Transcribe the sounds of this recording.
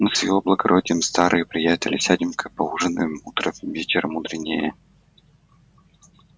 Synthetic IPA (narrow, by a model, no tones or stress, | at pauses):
nɨsjʲɪ̰voblˠəɡɐɾʔodʲɪjəmst̪aɾʔɨjəpɾʲɪjætʲɪlʲɪsʲædʲɪmkʰəpɐuʐənɨ̰jmut̪ɾəvʲetʲɪɾmud̪ɾʲɪnʲːɪjə̰